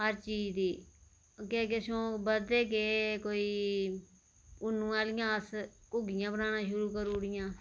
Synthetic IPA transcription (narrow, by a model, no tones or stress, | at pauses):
ɦəɾt͡ʃiːd͡ʒd̪iː | keːkesõːbəd̪ɾeːkeːkoːiː | ʊnũːaːlɪjãːəskʊɡɪjãːbənaːnãːʃʊɾuːkəɾuːɽɪjãː